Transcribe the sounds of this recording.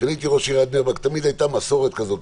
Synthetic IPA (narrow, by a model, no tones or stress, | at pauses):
anit̪iʁoʃiʁad̪nevakt̪amid̪ajt̪amaso̞ʁet̪kazo̞t̪